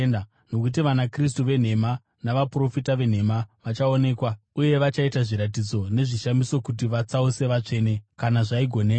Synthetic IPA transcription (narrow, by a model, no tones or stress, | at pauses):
na | no̞kut̬iʋanakris̬tuʋe̞n̤e̞ma | naʋapro̞fitaʋe̞n̤e̞maʋat͡ʃao̞ne̞ːkwa | uje̞ʋat͡ʃaitaʐiɾatid͡zo̞ne̞ʐiʃamiso̞kut̬iʋat͡sause̞ʋat͡ʂe̞ːne̞kanaʐaiɡʱo̞ne̞ː